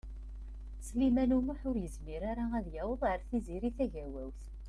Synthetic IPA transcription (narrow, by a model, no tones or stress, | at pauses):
slimænumuħʊɾjəzmiɾaɾaæðjæwəðˤəɾθiziɾiθæʝæwæwθ